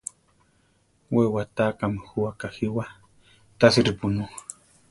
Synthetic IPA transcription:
wewat̪aːkamxʊakahɪwa | t̪asɾɪpʊnu

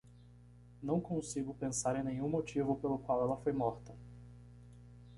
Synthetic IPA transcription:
nɐ̃w̃kõsiɡʊpẽsaɾẽj̃nẽjɲũmot͡ʃivʊpelʊkwawɛlɐfojmɔɾt̪ɐ

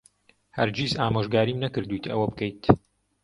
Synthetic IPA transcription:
hɐɾd͡ʒiːzaːmoːʒɡaːɾimnɐkɨɾd̪ujt̪ʰɐwɐbɨkəjt̪

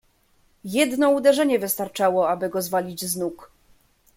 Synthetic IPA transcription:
jɛd̪nɔud̪ɛʐɛɲɛvɘst̪aɾt͡ʂawɔabɘɡɔzvalʲid͡ʑznuk

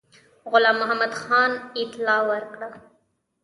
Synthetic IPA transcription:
ɣʊlaːmːʊɦəməd̪xaːnit̪laːwɐɾkɽa

